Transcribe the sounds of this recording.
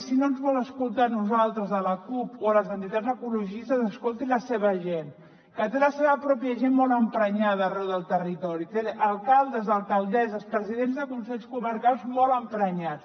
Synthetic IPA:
sinoənzβɔləskulˠt̪anuzalˠt̪ɾəzðələkupoləzənt̪it̪ad͡zəkuluʒist̪əzəskolˠt̪iləseβ̞əʒen | kət̪eləseβəpɾɔpjəʒenmɔlˠəmpɾəɲaðrɛwðəlˠt̪ərit̪ɔɾit̪eʔəlˠkalˠd̪əzðəlˠkəlˠd̪ɛzəspɾəziðenzðəkunsɛʎskuməɾkalˠzmɔləmpɾəɲat͡s

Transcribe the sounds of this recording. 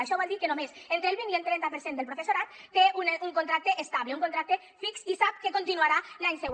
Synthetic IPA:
aʃɔβɔlˠd̪iɾkenomesent̪ɾelˠβinient̪ɾɛnt̪apeɾsend̪elpɾofesoɾat̪ːeunuŋkont̪ɾak̚t̪eʔest̪aβleuŋkont̪ɾak̚t̪e | fiksisap̚kekont̪inuaɾalaɲsɛw

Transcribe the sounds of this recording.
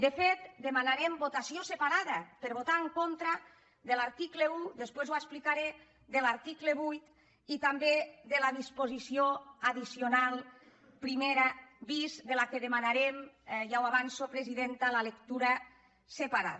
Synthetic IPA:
d̪efet̪d̪emanaɾembot̪asiosepaɾaðapeɾβot̪aeŋkont̪ɾa | ðelaɾt̪ikleud̪espwezwasplikaɾe | d̪elaɾt̪ikleβujt̪ | it̪ambeðelaðispozisioaðisionalˠ | pɾimeɾabizd̪elakeðemanaɾemʒawaβansopɾeziðent̪alalekt̪uɾa | sepaɾa̰ð

